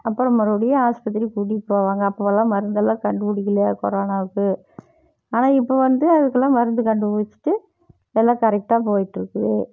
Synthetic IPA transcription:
ɐpːɯɾɐmɐɾɐɽɪjɐaːspɐt̪̬ːɪɾikuɽipːoːʋaːŋɡɐːpːoʋɐlãːmɐɾɯnd̪ɐlːãːkɐɳɖɯpʊɽɪkːɪlɐɐkɔɾaːnaːʋɯkːɯ | aːnaːɪpːoːʋɐnd̪ɯɐðɯkːɐlãːmɐɾɯnd̪ɯkɐɳɖɯpʊɽɪt͡ʃːɯ̥ʈːɯ | ɛlːãːkɐɾɛk̚ʈaːpoːjɪʈːɪɾɯkːɯʋḛ

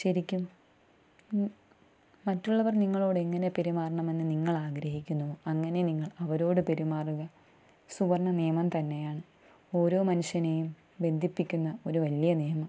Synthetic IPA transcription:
ɕɐɾikʲːum | ɐtːuɭːɐʋɐrniŋːɐɭo̞ːɽeŋːɐne̞pe̞ɾimaːrɐɳɐme̞nːɨniŋːɐɭaːɡɾɐɦikʲːunːɐðɨɐŋːɐne̞niŋːɐɭɐʋɐɾo̞ːɽɨpe̞ɾimaːruɣɐ | suʋɐrɳɐneːɐmɐmt̪ɐnːe̞jaːɳɨ | o̞ːɾo̞ːmɐnuɕɐne̞jum | be̞nd̪ʱipːikʲːunːɐo̞ɾuʋɐlijɐneːmɐ

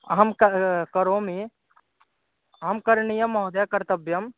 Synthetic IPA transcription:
ɦɐmkkɐɾoːmi | ɦɐmkɐɾɳijɐmːɔɦod̪jakɐɾt̪ɐbjɐm

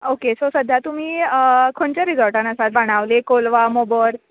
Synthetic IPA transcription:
okesosəd̪ʱjat̪um̤iːəkʰoɳt͡ɕaɾid͡zɔɭʈãnəsat̪ʋaɽ̃aʋlekolʋamobəɾ

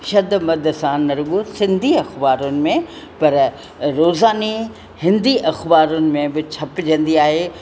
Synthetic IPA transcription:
ʃɐd̪mɐd̪ʱsãnɐɾɡosɪ̃nd̪ʱiɐxbaːɾʊnɪ̆mẽ | pɐɾ | ɾoːzaːni | hɪ̃nd̪iʔɐxbaːɾʊnɪ̆mẽbɪt͡ɕʰɐpɪd͡ʑɐ̃nd̪iaːɦeː

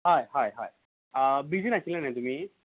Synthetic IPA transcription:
ɦajhajɦa̰j | əbid͡ʑinasilanajt̪um̤iː

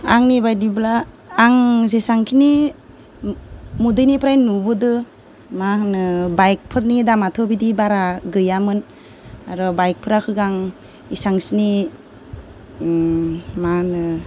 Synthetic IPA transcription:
aŋnibajdiblaː | ŋzesaŋkʰini | mudɯjnipʰɾajnubɯdɯ | manɯbajk̚pʰɯɾnidamatʰɔbidibaɾaɡɯjamɯn | aɾɔbajk̚pʰɯɾakʰɯɡaŋ | isaŋsini | manɯ

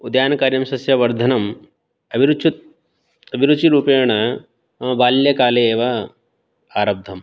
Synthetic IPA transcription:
ud̪jaːnɐkaːɾjɐmsɐsjɐʋɐɾd̪ʱɐnɐm | ɐbʱiɾut͡ʃut̪̚ | ɐbʱiɾud̪t͡ʃiɾuːpeːɳɐ | ʋaːljɐkaːleːʋɐ | aːɾɐb̚d̪ʱɐm

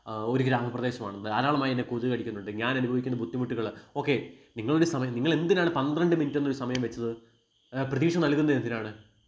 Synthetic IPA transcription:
o̞ɾukʲːɨɾaːmɐprɐd̪e̞ːɕɐmaːɳɐnːɨaːɾaːɭɐmaːjenːekuðukɐɽikʲːunːuɳɖɨɲaːnɐnubʱɐʋikʲːunːɐbʱud̪ːimuʈːuɣɐɭo̞ːkːe̞niŋːɐɭuɾusɐmɐjɐmniŋːɐɭe̞nd̪inaːɳɨpɐnd̪rɐɳɖɨminitːenːoɾusɐmɐjɐmʋɐt͡ɕːɐðɨ | prɐðiːʂɐmnɐlkunːɐðend̪inaːɳɨ

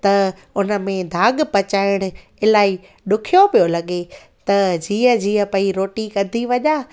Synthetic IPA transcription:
t̪ɐ | ʊnə̆mẽd̪ʱaːɠpɐt͡ɕaːɪɽ̃ʊ̆ | ɪlaːi | ɗʊkʰijopijolɐɠe | t̪ɐd͡ʑiːə̃d͡ʑiːə̃pɐiɾoːʈikɐd̪ʱiʋɐʄaː

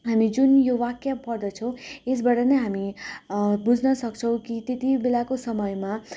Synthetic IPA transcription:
ɦamid͡zunjowakjapʌrd̪ʌt͡sʰʌ̃w̃es̬baɾʌneɦami | bud͡zʱnʌsʌkt͡sʰʌ̃w̃kit̪et̪ibelakosʌmʌjma

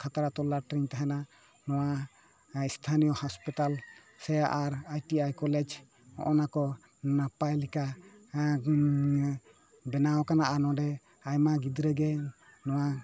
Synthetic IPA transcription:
kʰat̪aɾat̪ɔlaʈɾiɲt̪aɦɛna | nɔwa | ist̪ʰanijɔhɔspit̪al | sɛjaʔaɾajʈiajkɔlɛd͡ʒ | ɔ̰̃ʔɔnakɔ | napajlika | bɛnawɔkanaʔanɔ̃ɖɛ | ajmaɡid̪ɾɛɡɛ | nɔwa

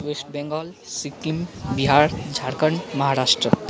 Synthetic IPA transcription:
wesʈbẽŋɡɔl | sikimbiɦaɾd͡ʒʱaɾkəɳməɦaɾasʈɾə

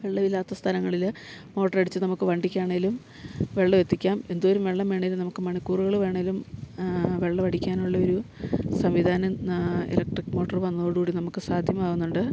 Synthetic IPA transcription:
ʋe̞ɭːɐʋilːaːt̪ːɐst̪ʰɐlɐŋːɐɭilmo̞ːʈːɐrɐɽit͡ɕːɨnɐmukːɨʋɐɳɖikʲːaːɳɐilum | ʋe̞ɭːɐʋe̞t̪ːikʲːaːme̞nd̪uoɾumʋe̞ɭːɐmʋe̞ːɳɐːlumnɐmukːɨmɐɳɐkːuːruɣɐɭʋe̞ːɳɐilum | ʋe̞ɭːɐʋɐɽikʲːaːnuɭːɐoɾusɐmʋid̪ʱaːnɐḛlek̚ʈrikːmo̞ːʈːɐrʋɐnːɐoɽuːɽinɐmukːɨsaːd̪ʱjɐmaːɣunːuɳɖɨ

